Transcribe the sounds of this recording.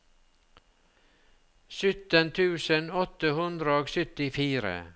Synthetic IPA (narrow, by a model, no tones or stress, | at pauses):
sʏt̪ənt̪ʰʉːsənɔt̪əhʉnd̪ɾəoːɡsœt̪ɪfiːɾə̰